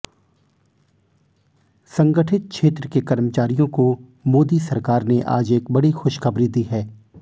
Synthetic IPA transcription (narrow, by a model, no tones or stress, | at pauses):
sɐ̃ŋɡəʈʰɪt̪̚kʰʃʰeːt̪ɾəkekɐɾmət͡ʃaːɾijõko | moːd̪isɐɾkaːɾneʔa̰ːd͡ʒeːkbɐɽixʊʃxɐbɾid̪iːɦɛː